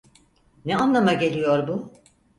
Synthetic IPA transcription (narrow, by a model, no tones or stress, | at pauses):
nɛanlˠamaɟe̞lʲijoɾbu